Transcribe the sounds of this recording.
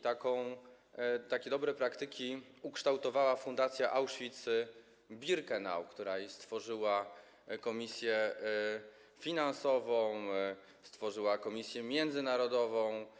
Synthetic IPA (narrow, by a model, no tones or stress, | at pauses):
t̪akɔ̃w̃ | t̪akʲɛd̪ɔbɾɛpɾakt̪ɘkʲi | ukʂt̪awt̪ɔvawafund̪at̪sʲjaʔawʂfʲit̪s | bʲiɾkɛna̰wkt̪uɾast̪fɔʐɘwa | kɔmʲisʲjɛ | fʲinansɔvɔ̃w̃ | st̪fɔʐɘwakɔmʲisʲjɛmʲjɛnd̪zɘnaɾɔd̪ɔvɔ̃w̃